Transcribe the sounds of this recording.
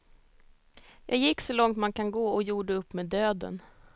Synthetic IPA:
jʔɑ̰ːɡjɪkːsɔlɔŋt̪mankʰanɡoːɔjuːɖəɵpːmeːd̪øːd̪ə̰n

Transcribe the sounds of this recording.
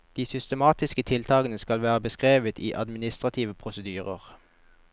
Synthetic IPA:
d̪̥iːsʏst̪əmɑːt̪ɪskət̪ʰɪlt̪ʰɑːkənəskɑlʋæːʁəbəskʁeːʋət̪ʰiːʔɑ̰d̪mɪnɪst̪ʁɑt̪ʰiːʋəpʰʁʊsəd̪yːʁə̰ʁ

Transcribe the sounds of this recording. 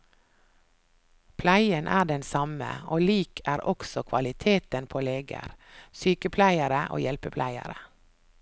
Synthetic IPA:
pʰlæɪənʔæːɖɛnsɑmə̰oːliːkʰæːɾʔɔksɔkʰʋɑ̰lɪt̪ʰeːt̪ənpʰoːleːɡə̰ɾsyːkəpʰlæɪəɾəʔo̰ːjɛlpəpʰlʔæɪə̰ɾə

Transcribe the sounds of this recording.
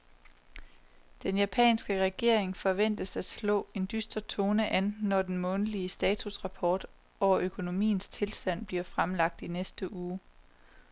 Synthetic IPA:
d̥enjæpʰɛ̰ːnsɡ̥əʁɛɡ̥e̝ɐ̰e̝ŋfɒ̽ʋen̰d̥əsæd̥slɔ̰̽ːe̝nd̥ysd̥ɐt͡sʰoːnəʔænːɒd̥enmɔ̽nəliəsd̥ɛːt͡sʰusʁɑ̈pʰɒːd̥ | ɒʊ̰ɐʔøkʰo̝no̝mḭːn̩st͡sʰe̝lsd̥æn̰b̥liɐfʁamlɑ̈ɡ̥̚d̥inesd̥əʔuː

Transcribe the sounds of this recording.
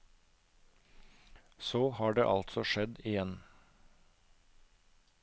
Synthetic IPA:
soːhɑːɖḛːʔɑlt̪sɔʃɛd̪ɪjɛn

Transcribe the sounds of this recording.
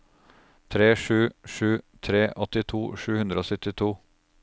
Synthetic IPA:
t̪ʰɾeːʂʉːʂʉːt̪ʰɾeːʔɔt̪ɪt̪ʰuːʂʉːhʉnd̪ɾəoːsœt̪ɪt̪ʰuː

